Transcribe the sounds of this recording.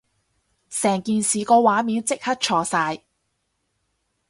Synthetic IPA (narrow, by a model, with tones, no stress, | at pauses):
sɛː˨˩ŋkiː˨nsiː˨kɔː˧waː˨˥miː˨˧nt͡sɪ˥k̚hɐ˥t̚t͡ʃʰɔː˨˧saː˧j